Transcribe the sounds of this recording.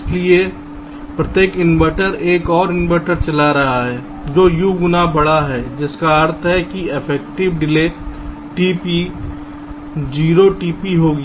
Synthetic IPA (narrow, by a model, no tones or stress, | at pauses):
slie | pɾət̪jeːkɪnʋəːʈəɾeːkɔːɾɪnʋəʈəɾt͡ʃɐlaɾɐɦaɦɛː | d͡ʒoːjuɡʊnabɐɽaɦɛːd͡ʒɪskaəɾt̪ʰɦɛkiɪpʰɛːk̚ʈɪʋɖɪle | ʈiːpi | d͡ʒiːɾoʈiːpiɦoːɡ